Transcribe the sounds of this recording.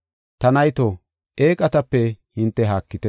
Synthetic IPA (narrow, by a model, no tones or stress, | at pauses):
t̪ɐnɐjt̪o | ʔeːkʼɐt̪ɐpːɛhɪnt̪ːɛɦaːkːɪt̪ɛ